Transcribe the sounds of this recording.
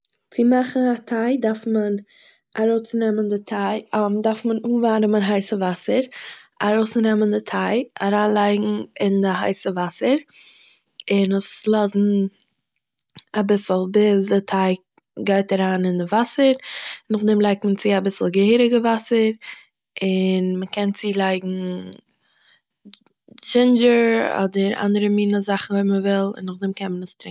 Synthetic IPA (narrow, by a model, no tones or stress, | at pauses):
t͡sɪmaχŋ̩atʰaɪdaɾfmən | aɾoʊsnɛməndɪtʰaɪdaɾfmənuːvaːnəmənɦaɪsəvasəɾaɾoʊsnɛməndɪtʰaɪaɾaːnlˠaɪɡŋ̩ɪndɪɦaɪsəvasəɾ | ɪnəslˠɔzn̩ | abɪsl̩ˠbɪsdɪtʰaɪ | ɡaɪtaɾaːnɪndɪvasəɾnʊχdɛmlˠaɪk̚tmənt͡sɪabɪsl̩ˠɡəhiːɾɪɡəvasəɾ | ɪnməkɛnt͡siːlˠaɪɡŋ̩ | d͡ʒɪnd͡ʒəɾɔ̰dəɾa̰ndəɾəmiːnəzaχn̩veɪməvɪlˠɪ̰nːʊχdɛmkʰɛnmənəstɾɪŋ